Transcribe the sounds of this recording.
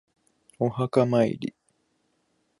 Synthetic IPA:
ohakamaḭɾḭ

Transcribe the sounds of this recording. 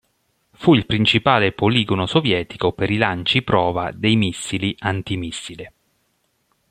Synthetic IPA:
fuilpɾint͡ʃipaːlepoliːɡonosovjɛːt̪i̥kopeɾilant͡ʃipɾɔːva̰d̪ejmisːiliʔant̪imisːili

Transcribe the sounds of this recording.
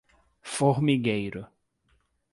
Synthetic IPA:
foɾmiɡejɾʊ

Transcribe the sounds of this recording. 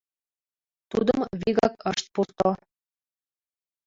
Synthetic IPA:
t̪ud̪əmβiɣɑkəʃt̪̚purt̪o

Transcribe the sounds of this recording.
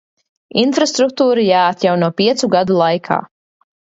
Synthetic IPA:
infɾast̪ɾuk̚t̪uːɾijaːt̪jawnuɔpʲiɛt̪suɡad̪ulˠajkʰa̰ː

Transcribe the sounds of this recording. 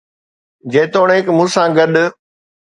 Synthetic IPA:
d͡ʑeːt̪oːɽ̃ẽːkmũːsãɡɐɗ

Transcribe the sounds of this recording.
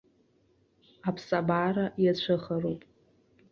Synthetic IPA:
apʰsabaɾajat͡ɕʷʰɨχaɾopʼ

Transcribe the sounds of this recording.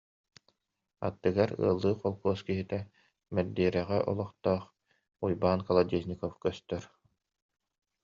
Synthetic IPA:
a̰t̪ːɯɡaɾɯ̰ɐlˠːɯːqɔlˠkuːskiɦit̪ɛ | mɛd̪iːɾɛʁɛʔɔ̰lˠɔχt̪ɔːχ | ujbaːnkalˠad̪iznʲikɔfkœst̪œɾ

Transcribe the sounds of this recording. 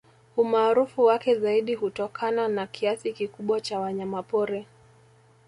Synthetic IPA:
umaːɾufuwakɛzaiɗiɦutɔkʰananakʰiasikikuɓwat͡ʃawaɲamapɔɾɛ

